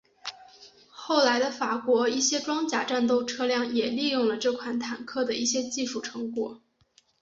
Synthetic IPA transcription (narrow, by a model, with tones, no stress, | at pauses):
xo˥˩ʊla˧˥ɪd̪ə˧fa˨˩kwɔ˧˥i˥˩ɕjɛ˥ʈ͡ʂwɑ˥ŋt͡ɕja̰˨˩ʈ͡ʂa˥˧nt̪o˥˧ʊʈ͡ʂʰɤ˥˧ljɑ˥˩ŋjɛ˨˩li˥˧jʊ˥˩ŋlə˩ʈ͡ʂɤ˥˩kʰwa˨˩nt̪ʰa˨˩nkʰɤ˥˩d̪ə˩i˥˩ɕjɛ˥t͡ɕi˥˧ʂu˥˩ʈ͡ʂʰɤ˧˥ŋkwɔ˨˩˦